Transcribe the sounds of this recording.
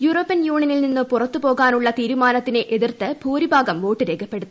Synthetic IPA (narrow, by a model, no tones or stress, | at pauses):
juːroːpːɐnjuːɳiɐnilninːupurɐt̪ːupo̞ːɣaːnuɭːɐt̪iːɾumaːnɐt̪ːine̞ʔeðirt̪ːɨbʱuːɾibʱaːɡɐmʋo̞ːʈːɨɾe̞ːkʰɐpːe̞ɽut̪ːu